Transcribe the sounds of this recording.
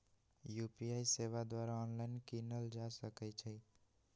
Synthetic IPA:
juːpiaiseʋad̪waɾaɔnlaɪnkinəld͡ʒasəkɛt͡ʃʰɛ

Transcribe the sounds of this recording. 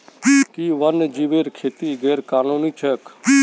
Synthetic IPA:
kiʋənd͡ʒiʋeːɾkʰeːt̪iɡeːɾkaːnuːnit͡ʃʰək

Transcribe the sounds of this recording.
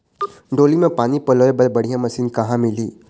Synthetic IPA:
ɖoːlimẽpaːnipɐloːebɐlbɐɽ̤ijãmɐsiːnkɐɦãmɪliː

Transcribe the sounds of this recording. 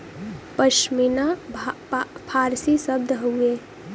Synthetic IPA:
pəʃmina | pʰaɾsisəb̚d̪ʱɦoe

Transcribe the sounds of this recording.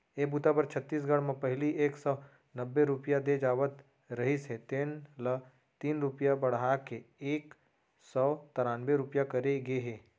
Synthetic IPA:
eːbut̪apɐɾt͡ʃʰət̪ːiːs̬ɡʱəɽmẽpɐɦɪliʔeːksɔː | nɐbːeɾʊpjad̪ed͡ʒaːʋət̪ | ɾɐɦiset̪eːnlə | t̪iːnɾʊpjabɐɽɦakeeːk | sɔːt̪ɐɾaːnbeɾʊpjakɐɾeɡeɦeː

